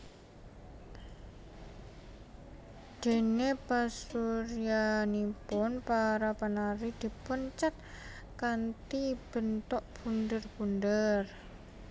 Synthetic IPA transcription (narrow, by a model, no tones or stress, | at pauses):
d̪̥e̤nepasuɾianipʊnpaɾapanaɾid̪̥i̤pʊnt͡ʃat̪̚ | kant̪ib̥ə̤nt̪ɔʔb̥undərb̥undər